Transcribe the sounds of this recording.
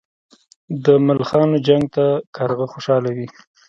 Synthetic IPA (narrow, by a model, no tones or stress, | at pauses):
d̪əmalxɑnod͡ʒaŋɡ̚t̪akʰaɾɣəxoʃɑlawi